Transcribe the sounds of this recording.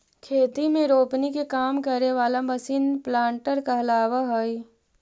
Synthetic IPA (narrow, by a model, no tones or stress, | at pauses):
kʰeːt̪imẽɾoːpnikekaːmkɐɾeʋaːlabɐsɪnplãːɳʈəɾkaɐlaːʋaɦoi